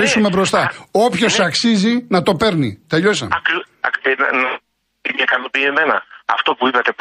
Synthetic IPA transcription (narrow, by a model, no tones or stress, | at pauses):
isume̞bɾo̞st̪ɐo̞pço̞sɐksizinɐt̪o̞pe̞ɾnḭt̪eʎo̞sɐ̰ɐk | nnɐ | imɐkɐnopieme̞nɐɐ̰ft̪o̞puipɐt̪e̞p